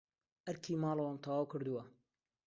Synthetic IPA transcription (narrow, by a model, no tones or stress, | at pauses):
ʔɐɾkʰiːmaːlɐwant̪ʰɑwaːwkʰɨɾd̪uwɐ